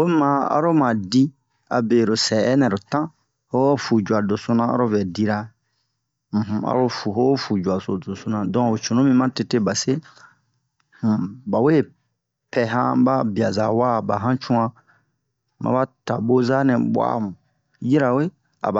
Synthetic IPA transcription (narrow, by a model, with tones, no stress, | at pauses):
we˦mã˦a̰˨ɾo˦mã˨di˦ | a̰˨be˨ɾo˨sɛː˨˦nɛ̃˨ɾo˨tã˦ | ho˦fu˨d͡ʒu˨a˨do˨so˦nã˦a̰˦ɾo˦vɛ˨di˦ɾa˦ | m̩˨ɦ̩˦a̰˦ɾo˦fu˨ɦo˦fu˨d͡ʒu˨a˨so˨do˨so˧nã˨dɔ̃˦o˨t͡ʃõ˨nõ˦mĩ˦mã˦te˧te˦ba˨se˦ | h̩˦˨ba˨we˦˨ | pɛ˨ɦã̰˦ba˦bi˨a˨za˨wa˦˨ba˨ɦã˦t͡ʃũ˦ã˦ | mʔa̰˨ba˦ta̰˨bo˦za˦nɛ̃˨bwa̰˦˨mũ˨ | ji˦ɾa˨we˦ | a̰˨ba˨